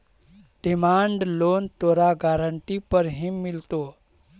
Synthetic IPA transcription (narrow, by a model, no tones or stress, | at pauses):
ɖimaɳɖlont̪oɾaɡaɾəɳʈipəɾɦĩmːilt̪o